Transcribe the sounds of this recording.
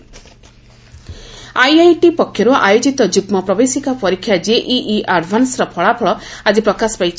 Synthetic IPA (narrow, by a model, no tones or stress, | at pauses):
ajajʈipɔkʰːjɔɾuʔajod͡ʒit̪ɔd͡ʒukmɔpɾɔbesikapɔɾikʰːjad͡ʒeʔiʔiʔaɖbʱansɾɔpʰɔɭapʰɔɭɔad͡ʒipɾɔkaspajt͡ʃʰ